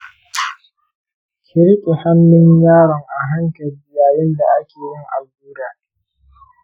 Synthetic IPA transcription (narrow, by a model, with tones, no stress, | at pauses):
kʲʰɪ˦ɾkʲʼi˨ha˦mːɪ˦ŋjaː˦ɾɔ˨ŋʔa˨ɦa˦ŋkɐ˨rbɪ˨jaː˨jɛ˦nda˨ʔa˦kʲeː˨jɪ˦ŋʔa˨buː˦daː˨